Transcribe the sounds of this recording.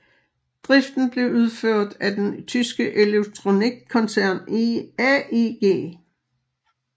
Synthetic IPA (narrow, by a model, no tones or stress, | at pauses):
d̥ʁifd̥n̩b̥le̝ʊuð̞ˠføɐ̰d̥æd̥ent͡sʰysɡ̥əʔe̝leɡ̥̚t͡sʰʁo̝niɡ̥̚kʰːɒ̽nsæɐ̰niæiɡ̥e̝̰ː